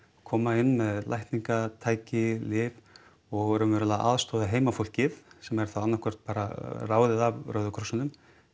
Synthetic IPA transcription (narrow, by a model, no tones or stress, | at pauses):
kʰɔːmaɪnːmɛðla̰jht̪niŋkat̪ʰaːjcɪlɪv | ɔɣœɾʏmvɛɾʏlaʔa̰ːðst̪ɔːðaɦeːjmafowl̥cɪθsɛmɛɾ̥θawanːahkʰœr̥t̪̚paːɾaraːwðɪðavrœɥðʏkʰɾɔsʏnʏm